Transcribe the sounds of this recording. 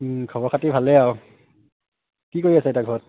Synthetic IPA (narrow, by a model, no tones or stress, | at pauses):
ɯːkʰawakʰat̪ːiːpʰat̚lɛw | tikɔjɛsatakʰot̚